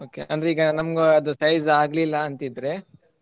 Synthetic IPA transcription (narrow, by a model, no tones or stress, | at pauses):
oːkeʔɐnd̪ɾeiːɡɐnɐmɡeɐd̪usɐjzaːɡlilːɐːnt̪id̪ɾe